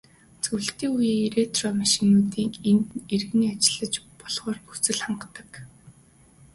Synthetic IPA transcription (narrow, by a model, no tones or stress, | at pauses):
t͡sɵwɮt̪iːŋujiːɾet̪ʰrɔmaʃɪ̆nuːt̪iːŋenerɣniːat͡ɕɪ̆ɮə̆t͡ɕpɔɮʁ̥ɔːrxu̥t͡sɘ̆ɮχaɴɢət̪ːə̥̆k